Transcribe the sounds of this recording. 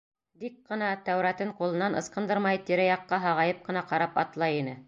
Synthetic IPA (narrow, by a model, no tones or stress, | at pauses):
d̪ik̚qɤ̆nɑt̪æwɾæt̪ɘɴqulˠɤ̆nːɑnɤ̆sqɤ̆nd̪ɤɾmɑjt̪iɾæjɑqːɑɦɑʁɑjɤp̚qɤ̆nɑqɑɾɑpɑt̪lˠɑjinɘ